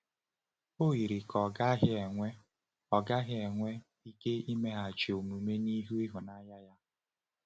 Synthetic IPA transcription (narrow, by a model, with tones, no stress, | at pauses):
o˦ɣi˨ɾi˨kɔ˨ɡa˦ɦɪ˦e˨ŋʷe˦ | ɔ˨ɡa˦ɦɪ˦e˨ŋʷe˦ | i˦ke˦i˦me˦ɦa˨t͡ʃi˨o˨mu˨me˦ni˦ɦu˦i˦ɦu˨na˦ja˦ja˦